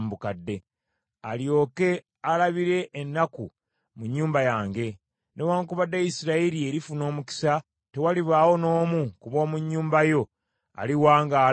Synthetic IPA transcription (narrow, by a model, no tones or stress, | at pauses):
mbukadːe̞ | aljo̞ːke̞ | alaβiɾe̞ʔːnːaku | muɲːuːmbajaːŋɡe̞ | newaːŋkuβadːajisiɾaiɾie̞ɾifuno̞ːmuki̥sa | te̞waliβaːwo̞no̞ːmukuβo̞ːmuɲːuːmbajo̞ | a̰liwaːŋɡaː